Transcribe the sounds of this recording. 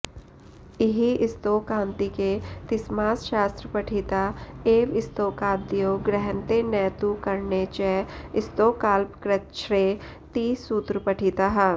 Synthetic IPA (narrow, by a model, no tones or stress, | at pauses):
ɪɦiɪst̪okãːnt̪iket̪ɪsmaːsʃaːst̪ɾəpɐʈʰiːt̪aeːʋɪst̪oːkaːd̪ijoɡɾɛɦənt̪enɛːt̪ukɐɾnet͡ʃɛɪst̪oːkaːlpkɾət͡ʃʰɾe | t̪iːsuːt̪ɾəpɐʈʰiːt̪aɦɛː